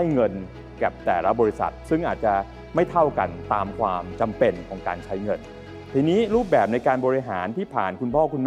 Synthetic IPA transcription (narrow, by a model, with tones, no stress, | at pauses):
a˥˩jŋɤ˧n | kɛː˨˩p̚t̪ɛː˨˩la˦˥bɔː˧ɾi˦˥sa̰˨˩t̪̚sɯ˥˩ŋʔaː˨˩t̪̚t͡ɕa˨˩ | ma˥˩jt̪ʰa˥˩wka̰˧nt̪aː˧mkʰwaː˧mt͡ɕa˧mpe˧nkʰɔː˩˦ŋkaː˧nt͡ɕʰa˦˥jŋɤ˧n | t̪ʰiː˧niː˦˥ɾuː˥˩p̚bɛː˨˩p̚na˧jkaː˧nbɔː˧ɾi˧˥ɦaː˩˦nt̪ʰiː˥˩pʰa̰ː˨˩nkʰu˧npʰɔː˥˩kʰu˧nm˥